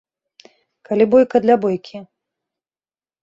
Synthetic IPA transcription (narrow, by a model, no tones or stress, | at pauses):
kalʲibɔjkɐd̪lʲabɔjkʲi